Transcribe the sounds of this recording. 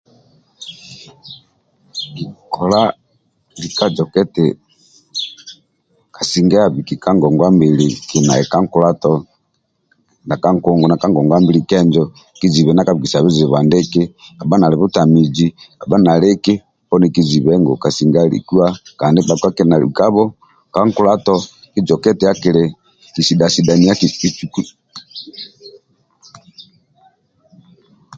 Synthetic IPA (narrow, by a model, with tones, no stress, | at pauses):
ki˨kʰɔ˨la˦ | li˨ka˦d͡ʒɔ˨kɛ˦tɛ˨ | ka˨si˨ŋɡa˦a˨βi˨ki˨ka˦ŋɡɔ˨ŋɡwa˦mbi˨li˨ki˨na˨ɛ˨ka˦ŋku˦la˦tɔ˦ | na˨ka˦ŋkɔ˨ŋɡɔ˨na˨ka˦ŋɡɔ˨ŋɡwa˦mbi˦li˨kɛ˦nd͡ʒɔ˦ | ki˦zi˨βɛ˨na˦ka˦βki˨sa˨βi˦zɛ˨βwa˨ndɛ˦ke˦a˨ba˦na˨lɛ˨βu˦ta˨mi˨d͡ʒi˦a˨ba˦na˨le˦ke˦ | pɔ˦ni˨ki˦zi˨βɛ˦ŋɡɔ̰˨ka˨si˨ŋɡa˦ɾḭ˨ku˦a˦kaː˨ndi˦ba˨ka˦ke˦˨na˨lḭ˨ka˦βɔ˦ | ka˦ŋku˦la˦tɔ˦ | ki˦d͡ʒɔ˨kɛ˦tɛ˨ja˦ki˨ɾɛ˨ | ki˨si˨da˨si˨da˨ni˨a˦kii˦t͡ʃu˨ku˦